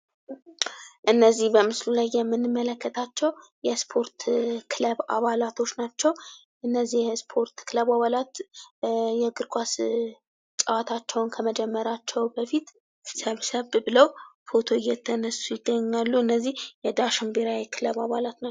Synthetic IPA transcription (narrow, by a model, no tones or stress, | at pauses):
ʔɨnːəzːihbəmɨslulajːɛmːɨnːɨmːələkːət̪ʰat͡ʃːɛwjɛspʰo̞ɾt̪kʰɨləβa̰βalat̪ʰo̞t͡ʃːnat͡ʃːɛw | ʔɨnːəzːihjɛspʰo̞ɾt̪kʰɨləβaβalat̪ | jɛɡɨɾkʰʷʼwas | t͡ʃʼəwat̪ʰat͡ʃːɛwnkʰəməd͡ʒɛmːəɾat͡ʃːɛwbəfit̪ | səβsəβbɨləwfo̞t̪ʰo̞ɨjːɛt̪ʰːənəsːujɪɡːəɲːalːuɨnːəzːihjɛd̪aʃɨmbeɾawikʰɨləβaβalat̪n